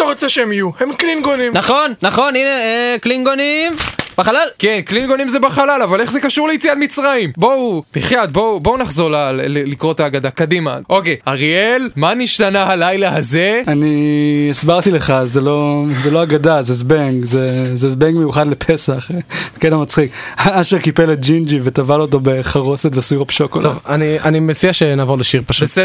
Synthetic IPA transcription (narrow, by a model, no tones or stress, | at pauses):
at̪aʁot͡seʃeemijuhemklinɡonĩmnaχo̞nːaχo̞nineeklinɡonimb̥eχalalkenklinɡo̞nimzebaχalalavale̞χzekaʃuʁleit͡sialmit͡sʁaimbo̞ub̥iχlad̚bobo̞unaχzo̞ʁlallikʁot̪aːɡad̪akadima̰ʔo̞kejaʁielmaniʃt̪anahalajlahazeaniisbaʁt̪ileχazelo̞zelo̞aɡad̪azezbeŋɡzezezbeŋɡmejuχad̪lepʰesaχkedamat͡sχikaʃeʁkipelet̚d͡ʒind͡ʒivet̪avalot̬o̞be̞χaʁo̞set̪vesiʁobʃokoltovanianimet͡siaʃenaːvo̞leʃiʁpaʃubes